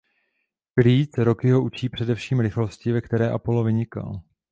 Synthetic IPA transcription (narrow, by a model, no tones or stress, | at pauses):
kliːt͡sɾo̞kɪɦo̞ʔut͡ʃiːpr̝̥ɛdɛfʃiːmɾɪxlo̞scɪvɛkt̪ɛɾɛːʔapolovɪɲɪka̰l